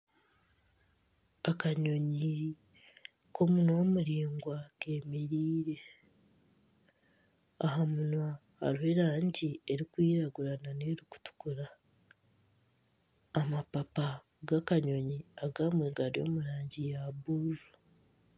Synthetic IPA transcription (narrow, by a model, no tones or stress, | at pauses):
akaɲo̞ɲi | kʰo̞munwo̞muɾiːŋɡwakemeɾiːɾe̞ | a̰ɦamunwa | ha̰ɾihe̞ɾaːɲɟieɾikwiːɾaɡuɾananeɾuku̥tu̥kuɾa | mapapa | ɡakaɲo̞ɲiaɡaːmweːɡaɾio̞̰ːmuɾaːɲɟijaβuːɾu̥